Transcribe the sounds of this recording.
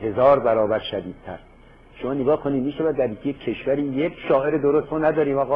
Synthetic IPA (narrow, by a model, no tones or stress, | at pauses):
he̞zɒːɾbæɾɒːbæɾʃæd̪iːd̪̥̚t̪ʰæ̰ɾ | ʃomɒːneɡɒːhkʰoniːd̪miːʃævæd̪ːæɾjiːkʰejekʲʰːeʃvæɾiːjekʃɒːʔe̞ɾed̪oɾost̪moːnæd̪ɒːɾiːmɒːɣɒː